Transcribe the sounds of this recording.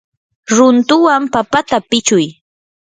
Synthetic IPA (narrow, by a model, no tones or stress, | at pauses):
ɾʊnt̪ʊwampapat̪apɪt͡ʃʊj